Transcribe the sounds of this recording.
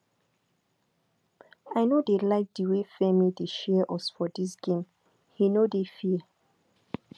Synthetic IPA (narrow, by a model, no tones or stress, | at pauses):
ajnodelaɪfdiwefɛmideʃɛʔɔsfɔdisɡ̥ẽm | hinodefi